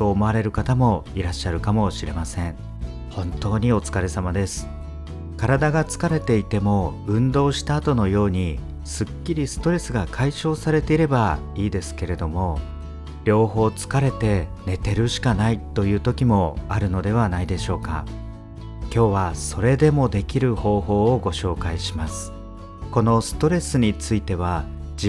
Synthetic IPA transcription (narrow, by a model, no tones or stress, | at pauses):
oːmo̞aɾe̞ɾɯ̟kat̪amo̞iɾaɕːaɾɯ̟kamo̞ɕiɾe̞masẽ̞ɴ | hõ̞nt̪o̞ːɲ̟io̞t͡sɨ̥kaɾe̞samad̪e̞sɨ̥ | kaɾad̪aɡat͡sɨ̥kaɾe̞t̪e̞it̪e̞mo̞ɯ̟̃nd̪o̞ːɕi̥t̪aːt̪o̞no̞jo̞ːɲ̟i | sɨkʲːiɾʲisɨ̥t̪o̞ɾe̞sɨɡakʰaiɕo̞ːsaɾe̞t̪e̞iɾe̞ba | iːd̪e̞sɨ̥ke̞ɾe̞d̪o̞mo̞ | ɾʲjo̞ːho̞ːt͡sɨ̥kaɾe̞t̪e̞ne̞t̪e̞ɾɯ̟ɕi̥kanait̪o̞jɯ̟ːt̪o̞kʲimo̞aɾɯ̟no̞d̪e̞β̞anaid̪e̞ɕo̞ːka̰ | kʲo̞ːβ̞aso̞ɾe̞d̪e̞mo̞d̪e̞kʲiɾɯ̟ho̞ːɦo̞ːoɡo̞ɕo̞ːkaiɕimasɨ̥ | ko̞no̞sɨ̥t̪o̞ɾe̞sɨɲ̟it͡sɨit̪e̞β̞ai